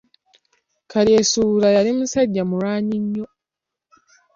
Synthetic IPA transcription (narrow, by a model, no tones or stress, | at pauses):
kʰaɾjesuɾajalimusaɟːamuɾaːɲiɲːo